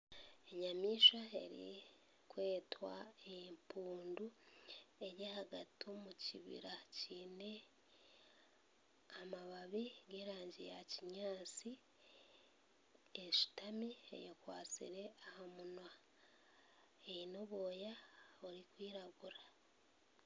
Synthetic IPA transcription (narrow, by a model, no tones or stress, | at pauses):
e̞ɲamiːʃae̞̰ɾḭ | kwe̞ːtwa̰empuːndu | e̞ɾjehaɡatomuciβḭɾaciːne̞ | amaβaβiɡe̞ːɾaːɲɟejaciɲaːt͡si | eʃi̥tamiḛjokwaːt͡sḭɾe̞ahamunwa | ejinoβo̞ːjaoɾikwiːɾaɡuɾa